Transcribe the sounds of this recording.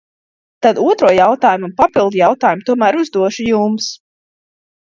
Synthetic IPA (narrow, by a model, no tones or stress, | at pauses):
t̪ad̪uɔt̪ɾuɔjawt̪aːjumunpapilˠd̪jawt̪aːjumt̪uɔmæːɾuzd̪uɔʃujums